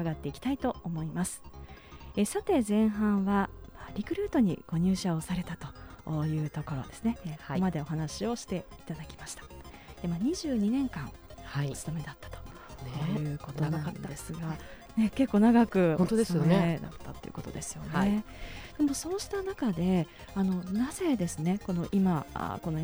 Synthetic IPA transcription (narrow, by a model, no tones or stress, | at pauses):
aɡat̪ːe̞ikʲi̥t̪ait̪o̞omo̞imasɨ̥ | esat̪e̞zẽ̞ɰ̃ɦãɰ̃βamaːɾʲikɯ̟ɾɯːt̪o̞ɲ̟ḭɡ̥o̞ɲ̟ɨːɕao̞saɾe̞t̪at̪o̞jɯ̟ːt̪o̞ko̞ɾoa̰d̪e̞sɨne̞komad̪e̞oɦanaɕio̞ɕi̥t̪e̞it̪ad̪akʲi̥maɕi̥t̪ḁd̪̥emaːɲ̟iʑɨːɲ̟inẽ̞ŋkãŋ | ht͡sɨ̥t̪ome̞d̪at̪ːḁt̪o | ɯːko̞t̪o̞nãanːdd̪e̞sɨɡa | ne̞ke̞kːo̞ːnaɡakɯ̟õnt̪od̪esjoed̪a̰t̪ːat̪ːoejɨɯ̟ko̞t̪o̞̰d̪e̞sɨ̥jone̞ | d̪̥e̞moso̞ːɕi̥t̪anakad̪e̞ | ano̞naze̞d̪e̞sɨne̞ko̞no̞ʔima̰ko̞no